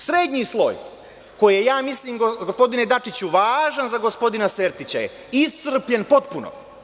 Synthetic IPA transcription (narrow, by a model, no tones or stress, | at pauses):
sɾeːd̪ɲiːslˠo̰j | ko̞jijejaːmisliːmɡoɡospo̞d̪ined̪at͡ʂit͡ɕuʋaːʒanzaɡospo̞d̪inaseːɾt̪it͡ɕa̰jḛ | isr̩pʎenpo̞t̪̚puno̰